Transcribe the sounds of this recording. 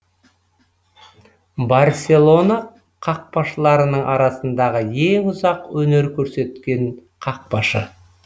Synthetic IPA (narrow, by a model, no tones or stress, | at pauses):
bɑrsʲe̞lˠo̞na | qʰɑq̚pɑʃəlˠɑɾənəɴʔɑ̰ɾɑsənd̪ɑʁəje̞ŋʊzɑqwɵne̞ɾkʲʰɵɾse̞t̪kʲe̞ɴqʰɑq̚pɑʃə